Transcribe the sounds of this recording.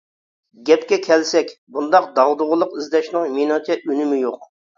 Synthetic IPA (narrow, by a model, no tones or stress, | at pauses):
ɡʲɛpkʲɛkʲʰɛlsɛkʲbund̪ɑq̚d̪ɑʁd̪ʊʁəlˠəqizd̪ɛʃnɨŋminɑt̪ʰɛʔynɪmɪjoq